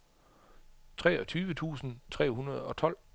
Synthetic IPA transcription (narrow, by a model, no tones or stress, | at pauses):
t͡sʰʁɛːɒt͡sʰyːʋət͡sʰṵːsn̩t͡sʰʁɛ̰ːɦunɐð̞̩ˠɒ̽t͡sʰɒ̽l̰